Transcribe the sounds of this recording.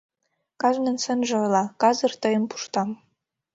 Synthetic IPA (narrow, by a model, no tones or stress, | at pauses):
kɑʒnə̆nsənʒɤojlˠɑkɑzə̆rt̪ɤjə̆mpu̥ʃt̪ɑm